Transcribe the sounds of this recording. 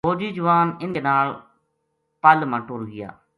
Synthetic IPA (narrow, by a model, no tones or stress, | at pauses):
boːd͡ʒiːd͡ʒʊʋaːnɪnenaːɭ | palmãʈuːɾɡɪja̰ː